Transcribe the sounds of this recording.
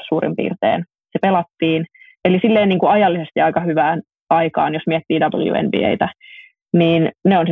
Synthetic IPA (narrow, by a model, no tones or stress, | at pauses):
suːrḭmpḭːrt̪ḛːn | sepelɑt̪ːiːn | elisilːeːnniːŋkuɑjɑlːisest̪iɑjkɑhyʋæːn | ɑikɑ̰ːnjosmiɛt̪ːiːdɑbl̩jṵḛmbḭḛit̪æ | niːnneons